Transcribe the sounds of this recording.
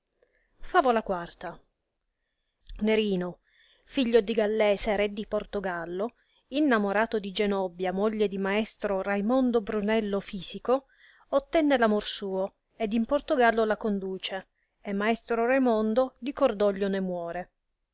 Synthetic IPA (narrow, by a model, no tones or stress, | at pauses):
faːvolakwart̪a | neɾiːno | fiʎːod̪iɡalːɛːseɾed̪ːiport̪oɡalːo | inːamoɾaːt̪od̪id͡ʒenɔbjamoʎːed̪imaɛst̪ɾorajmond̪obɾunɛlːofiːsiko | ot̪ːɛnːelamorsuːo | ed̪import̪oɡalːolakond̪uːt͡ʃe | emːaest̪ɾoɾajmond̪od̪ikord̪ɔʎːonemwɔːɾe